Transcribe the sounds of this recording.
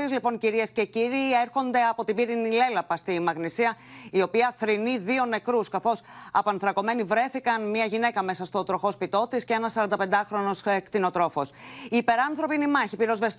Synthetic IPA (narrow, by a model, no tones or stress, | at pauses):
izlipo̞ŋciɾie̞sce̞ciɾiːeɾxo̞nd̪e̞ɐpo̞t̪ibiɾinile̞lɐpɐst̪iːmɐɣnisiɐio̞piɐθɾiniðio̞ne̞kɾuskɐθo̞sɐ̰poɐnθɾɐko̞me̞nivɾe̞θikɐnmiɐʝine̞kɐme̞sɐst̪ot̪ɾo̞xo̞spit̪o̞t̪isceenɐsːɐɾɐnd̪ɐpe̞nd̪ɐxɾo̞no̞skt̪ino̞t̪ɾo̞fo̞siːpe̞ɾɐnθɾo̞pinimɐçipiɾo̞zvest̪